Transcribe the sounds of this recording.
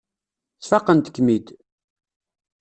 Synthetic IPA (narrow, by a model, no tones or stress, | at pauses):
t͡sfɑqːənt̪ə̥kːmid̪